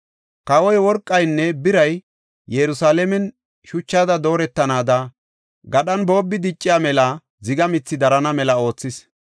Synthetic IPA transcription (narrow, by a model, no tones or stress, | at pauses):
kɐwɔjwɔɾkʼːɐjnːɛbɪɾɐj | jɛɾʊsaːlɛmɛn | ʃʊt͡ʃːaːd̪ɐd̪o̞ːɾɛt̪ːɐnaːd̪ɐ | ɡɐɗɐnbo̞ːbːɪd̪ɪt͡ʃʼːɪjaːmɛlɐ | zɪɡɐmɪt͡sːɪd̪ɐɾɐnɐmɛlɐo̞ːt͡sːɪs